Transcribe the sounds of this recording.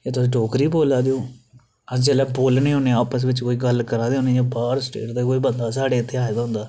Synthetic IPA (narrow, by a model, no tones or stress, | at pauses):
jaːt̪ʊsĩːɖɔːkɾiːboːlaːd̪eoː | əd͡ʒɛːlɛːboːlnĩːɦõːneːaːpəs̬ʋɪt͡ʃkoːiːɡəlkəɾãːd̪eõːneːjaːbaːɾsʈḛːʈd̪aːkoːiːbənd̪aːsaːɖeːɪt̪ʰːeːaːd̪aːɦʊ̃nd̪aː